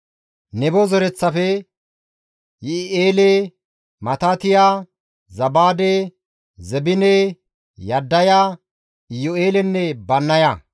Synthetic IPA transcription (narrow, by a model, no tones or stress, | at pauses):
nɛbɔzɔɾɛt͡sːɐfɛ | jɪʔeːle | mɐt̪aːt̪ɪjaː | zɐbaːd̪e | zɛbɪne | jɐd̪ːɐjaː | ɪjɔeːlɛnːɛbɐnːɐja